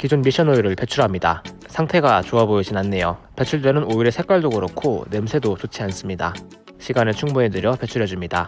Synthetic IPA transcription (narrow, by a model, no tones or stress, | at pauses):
kid͡ʑunmiɕʰʌnoiɾɯɭpe̞t͡ɕʰuɾɦamɲida̰ | sʰaŋtʰe̞ɡat͡ɕoaboid͡ʑinanːe̞jope̞t͡ɕʰuɭdenɯnoiɾe̞sʰe̞k͈waɭd͡ʑoɡɯɾokʰone̞msʰe̞dot͡ɕot͡ɕʰians͈ɯmɲida | ɕʰiɡanɯet͡ɕʰuŋmuedɯɾjʌpe̞t͡ɕʰuɾjʌd͡ʑimɲida